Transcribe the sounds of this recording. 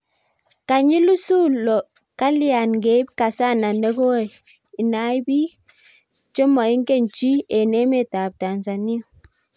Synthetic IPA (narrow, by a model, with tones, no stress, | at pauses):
ka˨ɲi˦lu˦su˦lɔ˨ | ka˦li˦a˨nɡe˨˦b̚ka˨sa˦˨na˨nə˦ɡo˦we˦˨ | i˨na˨˦bi˦ | t͡ʃə˦mɔ˨i˦ŋ˦ke˦n˨t͡ʃi˦e˨ne˦me˦˨ta˨p̚ta˨nza˨ni˦˨